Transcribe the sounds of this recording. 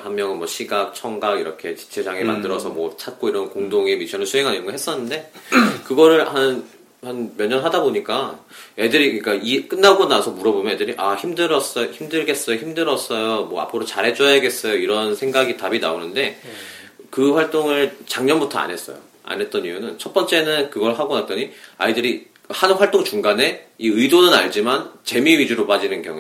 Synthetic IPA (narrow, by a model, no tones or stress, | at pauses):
hammjʌŋɯnmwʌɕʰiɡak̚t͡ɕʰʌŋɡaɡiɾʌkʰe̞t͡ɕi̥t͡ɕʰe̞d͡ʑaŋema̰ndɯɾʌsʰʌmwʌt͡ɕʰat̚k͈oiɾʌnkoŋdoŋemit͡ɕʰʌnɯɭsʰuɦe̞ŋɦanɯŋɡʌɦe̞s͈ʌnːɯnde̞kɯɡʌɾɯɭhan | hanmjʌɲʌnɦadaboɲik͈ae̞dɯɾikk͈aik͈ɯnːaɡonasʰʌmuɾʌbomjʌnedɯɾiʔaçimdɯɾʌs͈ʌjoçimdɯɭɡe̞s͈ʌjoçimdɯɾʌs͈ʌjomwʌa̰pʰɯɾot͡ɕaɾe̞t͡ɕ͈ʌjaɡe̞s͈ʌjoiɾʌnsʰe̞ŋɡaɡitabina̰onɯnde̞ | kɯɸwaɭt͈oŋɯɭt͡ɕaŋɲʌnbutʰʌa̰ne̞s͈ʌ̰jo̰ | a̰ne̞t̚t͈ʌnijunɯnt͡ɕʰʌt̚p͈ʌnt͡ɕ͈e̞nɯnkɯɡʌɭɦaɡonat̚t͈ʌɲia̰idɯɾi | hanɯnɸwaɭt͈oŋt͡ɕuŋɡane̞iɯidonɯna̰ɭd͡ʑimant͡ɕe̞miɥid͡ʑuɾopad͡ʑinɯnkjʌ̰ŋe